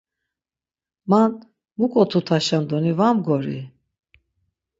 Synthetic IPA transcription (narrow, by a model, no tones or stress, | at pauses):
man | mukʼɔt̪ʰut̪ʰaʃand̪ɔnivamɡɔɾḭ